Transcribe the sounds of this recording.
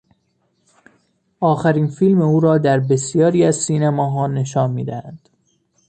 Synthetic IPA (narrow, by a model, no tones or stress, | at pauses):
ʔɒːxæɾiːnfiːlmeuːɾɒːd̪æɾbesjɒːɾiːæzsiːnæmɒːɦɒːne̞ʃɒːnmḭːd̪æhæ̰nd̪̥